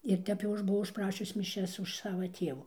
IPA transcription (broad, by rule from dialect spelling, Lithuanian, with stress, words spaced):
ɪr ˈtʲɛp jɛʊ ˈɐʃ bʊˈʋɐʊ ʊʃˈprɑːʃʲʊs mʲɪˈʃʲɛs ʊʃ ˈsɑːʋɐ ˈtʲiɛʋuː